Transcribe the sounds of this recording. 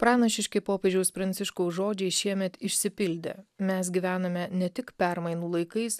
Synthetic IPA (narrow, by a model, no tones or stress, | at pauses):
pɾɑːnɐʃʲɪʃʲkʲɪpoːpʲɛd͡ʒʲɛʊspɾɐnʲsʲɪʃkoʊʒoːd͡ʒʲɛɪʃʲiɛmʲɛt̪ɪʃʲsʲɪpʲɪlʲd̪ʲḛmʲɛsɡʲiʋʲæːnɐmʲɛnʲɛt̪ʲɪkpʲæɾmɐɪnuːlˠɐɪkɐɪs